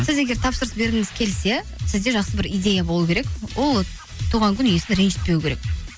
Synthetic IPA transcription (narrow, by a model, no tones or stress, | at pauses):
sɪze̞ɡʲe̞ɾt̪ʰɑpsəɾəsbe̞ɾɪŋɪz̥kʲʰe̞lse̞ | sɪzd̪e̞ʒɑqsəbɪɾijd̪ʲe̞jabo̞lˠukʲʰe̞ɾe̞kwʔo̞lˠ | t̪ʰuʁɑŋkʲʏnʏje̞sɪnɾenʃɪ̥t̪̚pe̞wɪkʲʰe̞ɾek